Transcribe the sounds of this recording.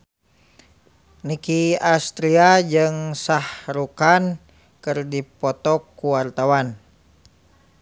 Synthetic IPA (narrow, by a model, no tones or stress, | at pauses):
nikiast̪ɾiad͡ʒɨŋsahɾukan | kɨrdipɔt̪ɔkːuwart̪awan